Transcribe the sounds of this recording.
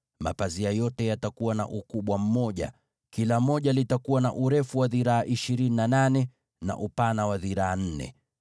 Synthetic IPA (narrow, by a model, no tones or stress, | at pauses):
ma̰paziajɔtɛjatakuwana̰ʔukuɓwam̩mɔʄa̰ | kilam̩ɔʄalitakuwana̰ʔuɾɛfuwaðiɾaːʔiʃiɾininananɛ | na̰ʔupanawaðiɾaːn̩nɛ̰